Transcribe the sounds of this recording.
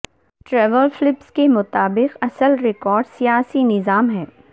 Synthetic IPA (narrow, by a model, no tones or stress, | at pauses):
ʈɾɛːʋəlflɪpskemʊt̪aːbɪqɐsəlɾɪkɔːɾɖsijaːsinɪzaːmɦɛː